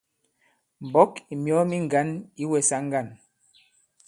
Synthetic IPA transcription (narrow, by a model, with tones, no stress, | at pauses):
m̩˨bɔ˦ki˨mjɔ˨˦mi˦ŋ˨ɡa˨˦ni˦wɛ˨sa˨˦ŋ˦ɡa˦˨n